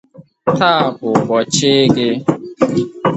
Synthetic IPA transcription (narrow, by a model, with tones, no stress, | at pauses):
taː˦˨bʊ˨bɔ˨t͡ʃɪ˦ɡɪ˦